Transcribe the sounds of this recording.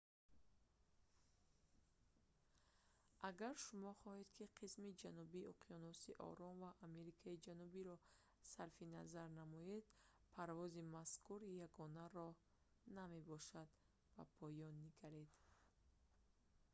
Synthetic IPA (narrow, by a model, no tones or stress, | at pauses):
ʔaɡaɾʃumɔχɔhed̪kʰiqʰismid͡ʒanubiɔqʰiɔnɔsiʔɔ̰ɾɔnvaʔːme̞ɾikʰaid͡ʒanubiɾɔ | saɾfinazaɾnamɔed̪̥ | pʰaɾvɔzimaskʰuɾjaɡɔnaɾɔ | name̞bɔʃad̪ | ba̰pʰɔjɔnːiɡaɾed̪